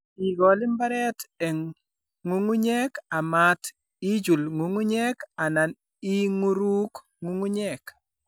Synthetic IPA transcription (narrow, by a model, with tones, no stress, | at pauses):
i˨ɡɔ˨lɪ˦mba˦ɾɛ˦tɛ˨ŋː | u˦ŋu˦ɲɛ˦ka˨ma˦t | i˦d͡ʒu˨lŋu˨ŋu˦ɲɛ˦ka˨na˨n | i˦ŋu˦ɾu˦k | ŋu˦ŋu˦ɲɛ˦˨k